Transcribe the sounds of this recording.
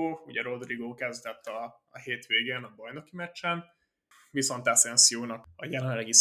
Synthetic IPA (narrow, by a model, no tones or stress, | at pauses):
uɟɛɾo̞d̪riɡoːkɛzd̪ɛt̪ːɒ | ɦeːt̪ʋeːɡeːnɒbɒjno̞kimɛt͡ʃːɛn | viso̞nt̪asɛnsijoːnɒkɒjɛlɛɛnlːɛɡis